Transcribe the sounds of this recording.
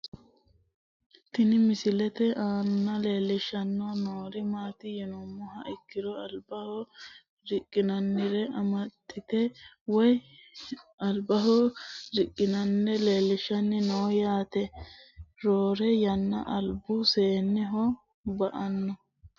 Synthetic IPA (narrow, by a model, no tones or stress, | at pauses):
t̪ɪnɪmɪsɪlɛt̪ɛʔaːnːɐle̞ːlːɪʃɐnːɔnoːɾɪmaːt̪ɪjɛnɔmːɔɦɐʔɪkːɪɾɔɐlbɐhɔ | ɾɪkʼːɪnɐnːɪɾɛʔɐmɐt̪ːɪt̪ɛ | wɔj | ɐlbɐɦɔɾɪkʼːɪnɐnːɛle̞ːlːɪʃɐnːɪnoːjaːt̪ɛ | ɾoːɾɛjɐnːɐ̰ʔɐlbʊseːnːɪɦɔ | bɐʔɐnːɔ